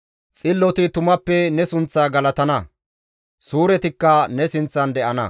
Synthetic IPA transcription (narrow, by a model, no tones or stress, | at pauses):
t͡sʼɪlːɔt̪ɪt̪ʊmɐpːɛnɛsʊnt͡sːaːɡɐlɐt̪ɐnɐ | suːɾɛt̪ɪkːɐnɛsɪnt͡sːɐnd̪ɛʔɐnɐ̰